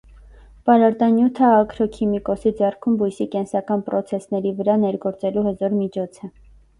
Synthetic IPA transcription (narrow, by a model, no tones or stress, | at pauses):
pɑɾɑɾt̪ɑnjut̪ʰəɑkʰɾɔkʰimikɔsid͡zɛrkʰumbujsikɛnsɑkɑnpɾɔt͡sʰɛsnɛɾivəɾɑnɛɾɡɔɾt͡sɛluhəzɔɾmit͡ʃʰɔt͡sʰɛ